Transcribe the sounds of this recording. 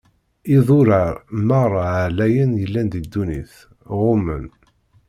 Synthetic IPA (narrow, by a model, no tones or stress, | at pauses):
iðˤʊɾaɾməɾˤʕlæjənjəlːænd̪id̪ːunḭθ | ʁʊmə̰n